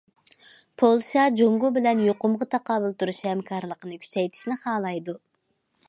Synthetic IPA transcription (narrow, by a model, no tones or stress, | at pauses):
pʰolˠsijɑd͡ʒoŋɡubɪlɛnjoqʊmʁɑt̪ʰɑqɑːbɨlˠt̪uɾuʃhɛmkʰɑɾlˠəqənɨkʲʰy̥t͡ʃɛjt̪ʰi̥ʃnɪχɑːlˠɑjd̪u